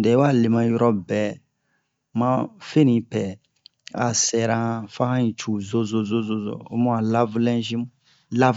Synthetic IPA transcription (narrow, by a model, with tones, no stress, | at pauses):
dɛ˨˦wa˦˨le˨mã˨jɔ˦ɾɔ˦bɛ˨ | mã˦fe˦nĩ˨pɛ˨ | a̰˨sɛ˨ɾã˦fã˦hã˦ĩ˨t͡ʃu˨zo˦zo˨zo˦zo˦zo̰˨o˦mũ˦a˨la˦vlɛ̃˦d͡ʒĩ˦m˦ | la˦v